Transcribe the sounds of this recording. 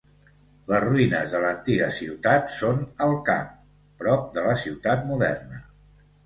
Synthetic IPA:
ləzruinəzðələnt̪iɣəsiwt̪at̪sonəlˠka̰m | pɾɔp̚d̪ələsiwt̪at̪̚muðɛ̰rnə

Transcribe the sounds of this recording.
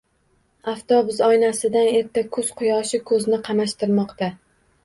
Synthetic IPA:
aft̪ʰɒbʊzɒjnasɪd̪ane̞ɾt̪ʰːakʰɵz̥qʰʊjɒʃɪkʰɵznɪqʰɑmaʃt̪ɪɾmɒqt̪a

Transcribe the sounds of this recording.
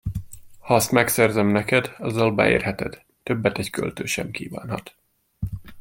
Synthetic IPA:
hɒɒst̪mɛksɛrzɛmnɛkɛd̪ɒzːɒlbɛ̰ḛːrɦɛt̪ɛd̪̥ːøbːɛt̪ɛckø̰lt̪øːʃɛmkiːva̰ːnhɒ̰t̪

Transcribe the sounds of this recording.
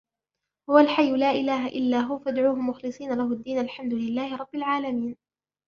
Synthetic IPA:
hʊwalħajːʊlaːʔɪlaːɦaʔɪlːaːɦʊfad̪ʕuːhʊmʊxlɨsˤiːnalaɦʊd̪ːiːnalħamd̪ʊlɪlːaːhɪɾˤɑbːɪlʕaːlamiːn

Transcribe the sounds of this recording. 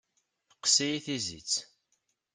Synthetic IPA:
qsæjiθizḭt͡sː

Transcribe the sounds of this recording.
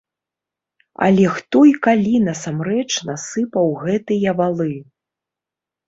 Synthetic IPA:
ɐ̰lʲɛxt̪ɔikalʲin̪ɐsamɾɛt͡ʂnasɨpɐwɣɛt̪ɨjɐvalˠɨ

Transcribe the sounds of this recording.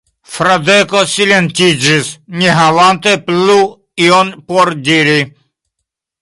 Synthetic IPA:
fɾad̪ekosilʲent̪id͡ʒisɲiɦaʋant̪eplu | ionpɔɾd̪iɾi

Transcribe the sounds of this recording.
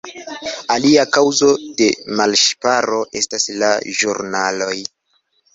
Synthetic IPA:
aliakawzo̞de̞malʃpaɾo̞ʔe̞stasla̰ʒuɾnalo̞j

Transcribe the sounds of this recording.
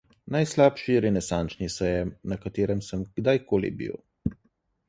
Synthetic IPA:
najslaːpʃiɾɛnɛsant͡ʃnisɛjɛnɐkat̪eːɾɛmsəmɡ̥d̪ajkoːlḭbḭw

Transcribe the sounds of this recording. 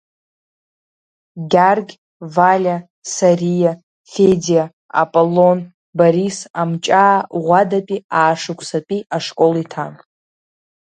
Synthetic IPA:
ɡʲarɡʲ | valʲa | sarija | fedija | a̰pʼolon | baɾisamt͡ʃʼaːʁʷadapʼiaːʂɨkʷʰsapʼiaʂkʼolitʰan

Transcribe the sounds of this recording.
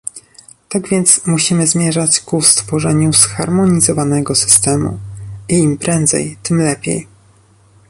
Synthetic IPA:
t̪aɡvʲjɛnt̪smuɕimɘzmʲjɛʐat͡ɕkust̪fɔʐɛɲusxaɾmɔɲizɔvanɛɡɔsɘ̥st̪ɛmṵiːmpɾɛnd̪zɛ̰jt̪ɘmlɛpʲjḛj

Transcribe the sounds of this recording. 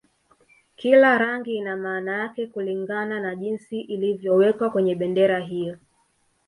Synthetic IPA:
kilaɾaŋɡiːnamaːnajakɛkuliŋɡananaʄinsiʔilivjɔwɛkwakwɛɲɛɓɛndɛɾaɦijɔ

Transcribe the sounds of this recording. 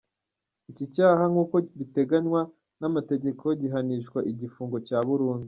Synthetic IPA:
icicaːɦaŋuːkobite̞ɡaɲwa | namate̞ɟe̞kʰo̞ɟiɦaniʃkwaʔiɟifuːŋɡo̞caːβuɾuːnzi

